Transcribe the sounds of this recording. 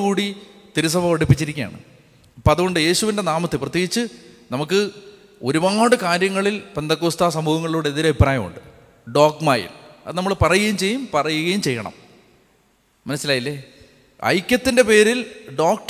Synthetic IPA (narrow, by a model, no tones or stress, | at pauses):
kuːɽit̪iɾus̬ɐbʱɐɐɽipːit͡ɕːiɾikʲːuja̰ːɳɨ̰ | pɐðuɣoɳɖɨje̞ːɕuʋindenaːmɐt̪ːɨprɐt̪jeːɣit͡ɕːɨnɐmuk̬ːɨ | o̞ɾubaːɽɨkaːɾjɐŋːɐɭilpend̪ɐkːoːst̪aːsɐmuːhɐŋːɐɭiluːɽeðiɾɐbibraːjɐmṵɳɖɨ | ɖo̞ːkmaːjḭlɐ̰ðɨnɐmːɐɭpɐrɐjuɣɐjumt͡ɕe̞jːumpɐrɐjuɣɐjumt͡ɕe̞jːɐ̰ɳɐ̰m | ɐnɐsːilaːjilːeː | ɐ̰jkʲːɐt̪ːinde̞pe̞ːɾilɖoːk̚ʈ